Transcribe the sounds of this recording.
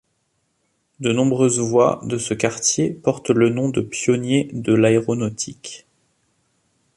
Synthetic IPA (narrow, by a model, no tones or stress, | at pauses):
d̪ənɔ̃bʁøzvwa̰d̪əsəkaʁt̪jepɔʁt̪lənɔ̃d̪əpjɔnjed̪əlaeʁɔnɔt̪ʰik